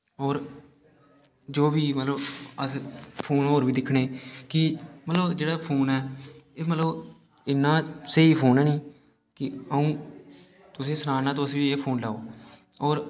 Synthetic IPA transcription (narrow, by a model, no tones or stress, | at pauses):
ɔːɾ | d͡ʒoːbiːmət̪ləbəspʰoːnɦoːɾʋiːd̪ɪkʰːɽeːkɪmət̪ləbd͡ʒeːɽaːpʰoːnɛːeːmət̪ləb | ɪnːãːsəɦiːpʰoːnɛːnĩː | kɪəũː | t̪ʊsẽːsənaːnaːt̪̬oəsʋiːeːpʰoːnlaːoː | ɔːɾ